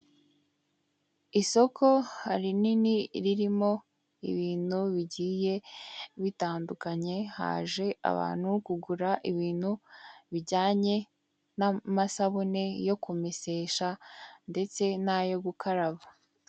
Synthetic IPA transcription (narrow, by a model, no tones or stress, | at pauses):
iso̞ko̞haɾininiɾiɾimo̞ | ḭβiːn̥huβiɟiːje̞βitaːndukaɲe̞ha̰ːʒe̞a̰βa̰ːn̥hukuɡuɾaʔiβiːn̥huβiɾɟaːɲe̞ | namasaβune̞jo̞kumese̞ːʃande̞t͡se̞najo̞ɡukʰaɾaβa